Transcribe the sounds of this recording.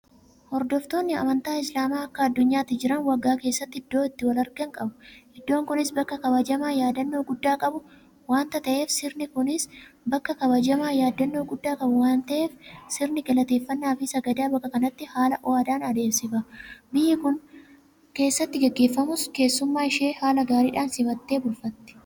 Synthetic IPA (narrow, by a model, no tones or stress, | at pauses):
hɔɾd̪ɔft̪oːnːɪɐ̰mɐnt̪aːɪslaːmaːɐkːɐːd̪ːʊɲːaːt̪ːɪd͡ʒɪɾɐnwɐɡːaːke̞ːsːɐt̪ːɪɪd̪ːo̞ːɪt̪ːɪwɐlɐɾɡɐŋkʼɐbʊɛd̪ːo̞ːŋkʊnɪsbɐkːɐkɐbɐd͡ʒɐmaːjaːd̪ɐnːo̞ːɡʊd̪ːaːkʼɐbʊ | waːnt̪ɐt̪ɐʔe̞ːfsɪɾnɪkʊnɪsbɐkːɐkɐβɐd͡ʒɐmaːjaːd̪ːɐnːo̞ːɡʊd̪ːaːkʼɐbʊwaːnt̪ɐʔe̞ːfsɪɾnɪkɛlɐt̪e̞ːfːɐnːaːfɪsɐɡɐd̪aːbɐkːɐkɐnɐt̪ːɪhaːlɐʔɔaːd̪aːnɐd̪e̞ːmsɪfɐbɪjːɪkʊn | ke̞ːsːɐt̪ːɪɡɛɡːeːfːɐmʊske̞ːsːʊmːaːɪʃeːhaːlɐɡaːɾiːᶑaːnsɪmɐt̪ːe̞ːbʊlfɐt̪ːɪ̥